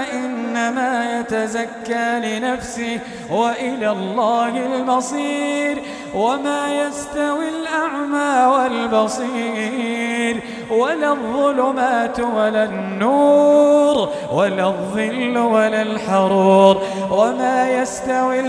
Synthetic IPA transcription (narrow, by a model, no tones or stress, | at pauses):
ʔɪnːamaːjat̪azakːaːlɪnafsɪh | waʔɪlaːlˤːaːhɪlbɑsˤiːɾ | wamaːjast̪awilʔaʕmaːwalbɑsˤiː | ɾ | walaðˤːʊlʊmaːt̪walaːnnːuːɾ | walaðˤːɨlːwalaːlħɑɾˤuːɾ | wamaːjast̪awi